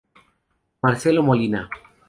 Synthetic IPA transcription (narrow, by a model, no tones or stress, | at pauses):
maɾselomolina